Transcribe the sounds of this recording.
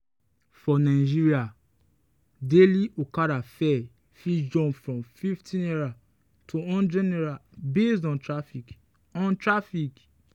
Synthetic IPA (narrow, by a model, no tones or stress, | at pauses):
fɔnaɪd͡ʒiɹia | deliʔokaɾafɛ | fid͡ʒɔ̃mfɹɔ̃mfiftʰĩnɛɹa | tʰuɔ̃nd͡ʒɛnɛɹabesdɔ̃ntɹafik | ɔ̃ntɹafik